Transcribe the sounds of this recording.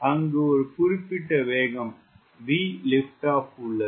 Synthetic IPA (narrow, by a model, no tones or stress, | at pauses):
ɐŋɡeoɾɯpʊɾɪpːɪʈːɐʋeːɣɐm | ʋiːlɪfʈaːpuɭːɐ